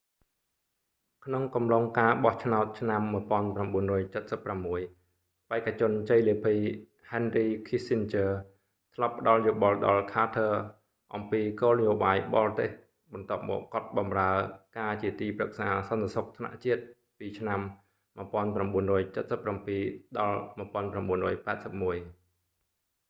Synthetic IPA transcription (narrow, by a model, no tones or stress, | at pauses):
kʰnoŋkɑmloŋkaːɓɑht͡ɕʰnaɔt̪̚t͡ɕʰnamːuəpŏənpramɓuənrɔːjt͡ɕət̪̚səpːramːuəj | paɛkːat͡ɕʊ̆ənt͡ɕəjliəpʰiː | hɛnriːkʰisint͡ɕəː | t̪ʰlɑpːə̆ɗɑljoːɓɑlɗɑlkʰaːt̪ʰəː | ʔɑmpiːkoːlnəjoːɓaːjɓɑːrɑt̪eːh | ɓɑnt̪ŏəp̚mɔ̰ːkːŏət̪̚ɓɑmraəkaːt͡ɕiət̪iːprək̚saːsɑnt̪esok̚t̪ʰna̰ʔt͡ɕiət̪̚ | piːt͡ɕʰnamː | əəpŏənpramɓuənrɔːjt͡ɕət̪̚səpːrampiːɗɑlmuəpŏənpramɓuənrɔːjpaɛt̪̚səp̚muəj